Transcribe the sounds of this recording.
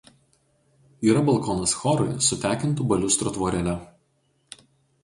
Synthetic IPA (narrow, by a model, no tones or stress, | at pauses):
iːɾɐbɐlˠkɔːnɐsxɔɾɔɪsʊt̪ʲæːkʲɪnt̪ubɐlʲʊst̪ɾot̪ʋɔːɾʲɛlʲɛ